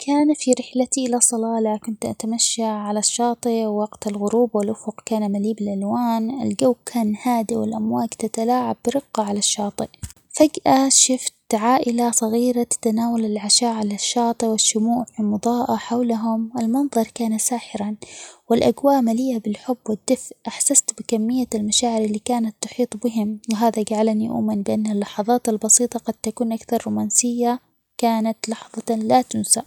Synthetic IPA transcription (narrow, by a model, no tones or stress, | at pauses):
kʰaːnfiɾɪħlat̪iʔɪlasˤɑlɑːlakʊnt̪ʔa̰t̪amaʃːaʕalaʃːɑːt̪ˤɨʔwwːɑɡt̪alɣʊɾuːbwɪlʔʊfʊqkaːnamaliːbɪlʔalwaːnɪ̰lɡawkʰaːnhaːd̪iwɪ̰lʔamwaːkt̪at̪alaːʕabːɾɪɡːɑʕalaʃːɑːt̪ˤɨʔ | faɡʔaʃʊft̪ʕaːʔɪlasˤɑɣiːɾat̪ːanaːwalɪlʕaʃaːʔʕalaʃːɑːt̪ˤɨwɪʃːʊmuːʔfimʊd̪ˤɑːʔaħawlaɦʊmʔɪlmɑnðˤɑɾˤkaːnasaːħɪɾanwɪlʔaɡwaːʔmalɪjːabɪlħʊbːwɪd̪ːɪfʔʔaħsast̪bɪkamːɪjːalmaʃaːʕɪɾɪlːiːkaːnat̪ːʊħiːt̪ˤbɪɦɪmwɪɦaːðaɡaʕalaniʔṵʔmɪnbɪʔanːalːɑħɑðˤɑːt̪albɑsiːt̪ˤɑɡɑd̪̥̚t̪akuːnʔakθɑɾˤːuːmaːnsɪjːa | kaːnat̪lɑħðˤɑlat̪ʊnsaʔ